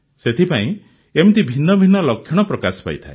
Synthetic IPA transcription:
set̪ʰipaĩ | emt̪ibʱinːɔbʱinːɔlɔkʰːjɔɽ̃ɔpɾɔkasɔ̥pa̰jt̪ʰae

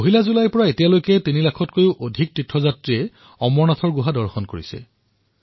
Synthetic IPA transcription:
oɦilazulajpɔɹaetijalojkɛtinilakʰɔtkojuʔodʱik̚tɹitʰːɹɔzatɹiɛ | ɔmɔɹnatʰɔɹɡuɦadɔɹxɔnkoɹisɛ̰

